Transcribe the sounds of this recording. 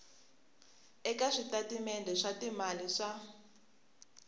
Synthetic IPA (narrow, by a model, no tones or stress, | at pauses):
ɛkaʂitatimɛndɛʂatimaliʂa